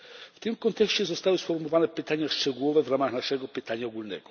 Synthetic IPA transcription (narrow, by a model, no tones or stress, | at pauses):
ft̪ɘmkɔnt̪ɛkɕt͡ɕɛzɔst̪awɘsfɔɾmɔvanɛpɘt̪aɲaʂt͡ʂɛɡuwɔvɛvɾamaxnaʂɛɡɔpɘt̪aɲaɔɡulnɛ̰ɡɔ